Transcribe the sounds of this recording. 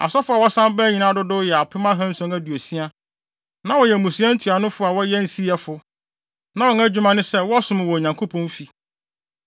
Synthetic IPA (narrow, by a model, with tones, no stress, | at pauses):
a̰˨sɔ˦fʊ˦a˨wɔ˦sã˦m˦bɛ˦ɲĩ˨˦nã˦dʊ˦dʊ˦jɛ˨a˨pʰɪ˦mã˦ɦã˦n̩˦sɔ̃˦ŋæ˦dɥo˨si˦a˦ | nã˦wɔ˨jɛ˨mũ˨si˨˦ã˦n̩˦tʰu˨a˨nʊ̃˦fʊ˦a˨wɔ˦jɛ˦n̩˦si˦ɛ˨fʊ˦ | nã˦wɔ˨ŋæ˦d͡ʑᶣu˦mã˦nʊ̃˦sɛ˦wɔ˦sʊ̃˦mɪ̃˨wɔ˨ɲã˨ŋkʰo˦pʰɔ̃˦n˦fi˨